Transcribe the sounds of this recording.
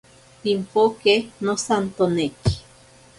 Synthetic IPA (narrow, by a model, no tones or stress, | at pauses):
t̪impokenosant̪oneki̥